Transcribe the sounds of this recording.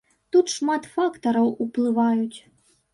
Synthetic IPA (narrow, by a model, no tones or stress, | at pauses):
t̪ut̪ʂmat̪fakt̪ɐɾɐwuplˠɨvajut͡sʲ